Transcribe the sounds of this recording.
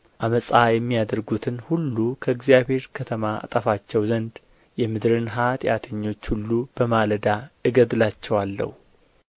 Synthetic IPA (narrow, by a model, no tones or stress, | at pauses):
ʔaməsʼajɛmːijad̪əɾɡut̪ʰɨnhulːukʰəɨɡzijaβhe̞ɾkʰət̪ʰəmaa̰t̪ʼəfat͡ʃːɛwzənd̪ | jɛmɨd̪ɾɨnɦat̪jat̪ʰəɲːo̞t͡ʃːhulːub̥əmaləd̪aʔɨɡəd̪lat͡ʃːɛwalːə̰hu